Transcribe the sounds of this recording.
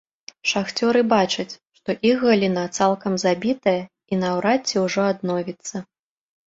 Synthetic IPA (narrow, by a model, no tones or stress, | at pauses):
ʂaxt͡sʲɔɾɨbat͡ʂɐt͡sʲʂt̪ɔʔixɣɐlʲinat̪salˠkɐmzabʲit̪ɐjɐ | inɐwɾat͡sʲːɛwʐɔad̪nɔvʲit̪sːɐ